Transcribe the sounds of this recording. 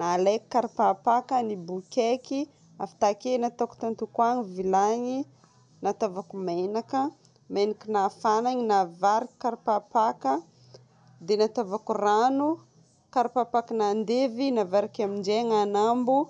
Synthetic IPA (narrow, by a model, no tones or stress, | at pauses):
nalekkaɾpapakənibukʲeki | afḁt̪akenat̪aku̥t̪ant̪ukwaŋivilaɲi | nat̪avakumenakə | menakinafanaɲinavaɾikkaɾpapakə | d̪enat̪avakuranu | kaɾpapakanand̪evinavaɾikamind͡ʒeŋanambu